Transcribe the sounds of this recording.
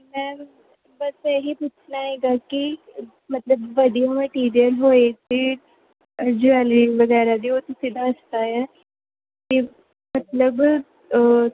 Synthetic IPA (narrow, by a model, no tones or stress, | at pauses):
mɛ̃ː | bəsəɦipuːt͡ʃʰnaeːɡaːki | mɐt̪ləbʋəd̪iaməʈiːɾijəlɦoːet̪e | əd͡ʒuɛːliʋəɡɛːɾad̪iːoːt̪ʊsĩd̪aəst̪aːjɛː | ki | mət̪ləb